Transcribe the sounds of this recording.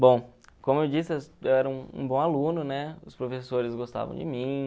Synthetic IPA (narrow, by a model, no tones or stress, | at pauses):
bõw̃kõmʊewd͡ʒisɪɛewɛɾɐũṵ̃bõw̃alũnʊnɛʊspɾofesoɾɪzɡost̪a̰vɐ̰̃d͡ʒɪ̰mĩ